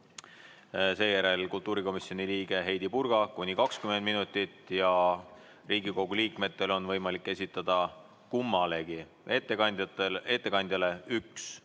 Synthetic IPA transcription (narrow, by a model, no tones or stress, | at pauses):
se̞ːjæɾe̞lkult̪ːˑuːɾiko̞misːio̞niliːɡ̥e̞ɦe̞jd̪̥ipurɡ̥ɑkunʲikɑkskymend̪̚minut̪ːˑit̪jɑ | riːɡ̥iko̞ɡ̥uliːkme̞t̪ːe̞lo̞nvɤjmɑlikːe̞sʲit̪ːˑɑd̪̥ɑ | kumːɑle̞ɡ̥i | et̪ːˑekɑnd̪t̪le̞t̪ːe̞kɑnd̪̥ʲjɑle̞yks